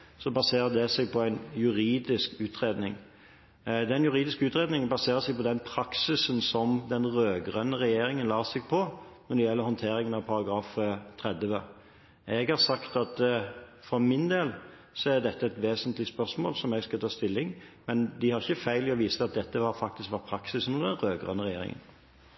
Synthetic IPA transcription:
sɔbɑseːɾəd̪ɛsɛɡ̚pʰɔæɪnjʉɾiːd̪ɪskʉːt̪ʰɾeːd̪nɪŋ | d̪ɛnjʉɾiːd̪ɪskʉːt̪ʁeːd̪nɪŋbɑseːɾəsɛɡ̚pʰɔd̪ɛnpʰɾɑksɪsənsɔmd̪ɛnʁøːɡɾœnːəʁɛjeːɾɪŋənlɑːsɛɡpʰɔnɔd̪ɛjɛlːəɾhɔnt̪ʰeːɾɪŋənɑʋpʰɑɾɑɡɾɑːfət̪ʰɾɛd̪ʋə | ʔɛɡhɑɾsɑkt̪ɑt̪fɔmɪnd̪eːl | sɔæd̪ɛt̪ːəɛt̪ʋeːsənt̪lɪspœɾsmoːlsɔmɛɡskɑt̪ʰɑːst̪ɪlːɪŋmɛnd̪ɪhɑɾʁɪçːəfæɪlɪɔʋiːsəɑt̪̚d̪ɛt̪ːəʋɑɾfɑk̚t̪ɪskʋɑɾpʰɾɑksɪsnɔd̪ɛnʁøːɡʁœ̰nːəʁɛjḛːɾɪ̰ŋə̰n

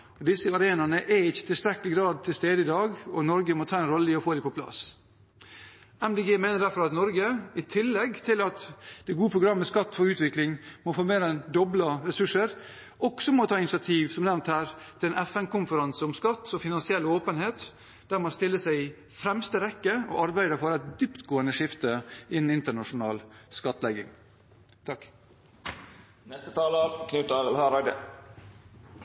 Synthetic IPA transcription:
ɔd̪ɪsəɑɾeːnɑnəʔɛɪçːə̥t̪ʰɪlst̪ɾɛkːəlɪɡɾɑːd̪̚t̪ʰɪlst̪eːd̪əɪd̪ɑːɡɔnɔɾɡəmɔt̪ʰɑːɛnɾɔlːəɪɔfoːd̪ɪpɔpʰlɑ̰s | æmd̪eːɡeːmeɪnəɖ̪æɾfɔɾɑt̪nɔɾɡəɪt̪ʰɪlːɛɡt̪ʰɪlɑt̪d̪̥ɛɡuːəpʰɾʊɡɾɑmːəskɑt̪ːfɔɾʉːt̪ʋɪklɪŋmɔfoːmeːɾənd̪ɔbləɾɛsʉʂəɾ | ɔksɔmɔt̪ʰɑːɪnɪsɪɑt̪ʰiːʋsɔmnɛʋnt̪hæːɾt̪ʰɪlɛːnʔɛfɛnkʊmfəɾɑnsəɔmskɑt̪ːɔfɪnɑnsɪɛlːoːpənheːt̪ | d̪̥æːɾmɑst̪ɪlːəsæɪɪ | fɾɛmst̪əɾɛkːəɔ̰ʔɑɾbæɪd̪əfɔɾɛt̪̚d̪ypt̪ɡoːənəʂɪft̪əɪnn̩ɪnt̪əɳɑʂʊnɑ̰ːlskɑt̪ːlɛɡɪ̰ŋ | t̪ʰɑkː | nɛst̪ət̪ʰɑːləɾkʰnʉt̪ɑʋɛlhɑːɾæɪd̪ə̰

